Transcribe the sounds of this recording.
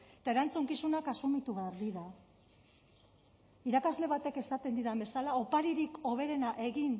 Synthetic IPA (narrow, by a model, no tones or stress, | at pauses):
et̪aeɾant͡suŋkisunakasumit̪uβeaɾðiða | iɾakazle̞β̞at̪e̞ke̞sat̪e̞nd̪iðambe̞salaopaɾiɾiko̞β̞e̞ɾe̞naʔe̞ɣin